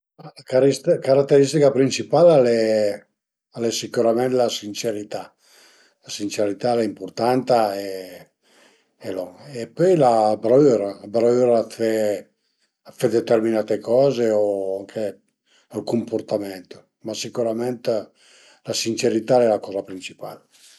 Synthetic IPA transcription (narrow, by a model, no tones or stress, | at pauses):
akaɾiskaɾat̪ːeɾist̪ikapɾint͡ʃipalalɛ | alɛsikuɾamɛnt̪lasint͡ʃeɾit̪a | lasint͡ʃeɾit̪alɛimpurt̪ant̪ae | elɔepøjlabɾayɾabɾayɾafe | fɛd̪et̪erminat̪ekɔːzeoaŋkʰe | alkumpoɾt̪amɛnt̪o̥ | masikuɾamɛnt̪ | lasint͡ʃeɾit̪alɛlakɔːzapɾint͡ʃi̥pa̰l